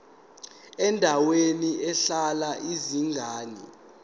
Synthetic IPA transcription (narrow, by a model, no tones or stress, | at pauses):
ɛndʱaweniɛɬalaʔiziŋɡʱaːnḭ